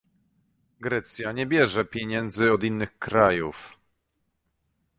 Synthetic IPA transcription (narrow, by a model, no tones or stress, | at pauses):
ɡɾɛt̪sʲjaɲɛbʲjɛʐɛpʲjɛɲɛnd̪zɘɔd̪inːɘxkɾajuf